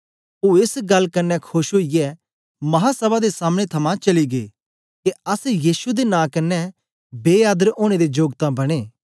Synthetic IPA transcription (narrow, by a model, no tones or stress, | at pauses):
oːɪsɡɐlːkɐnːɛkʰʊʃɦoːijɛ | mɐɦasɐbad̪esaːmɽ̃et̪ʰɐmãt͡ʃɐliɡḛː | keɐsjiːsud̪enãːkɐnːɛ | beːjaːd̪əɾoːɽ̃ed̪ed͡ʒoːɡt̪ãbɐɽ̃eː